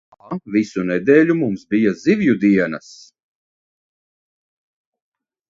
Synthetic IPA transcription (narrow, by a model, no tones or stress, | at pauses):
visunɛd̪eːlʲumumsbijazivjud̪iɛnɐs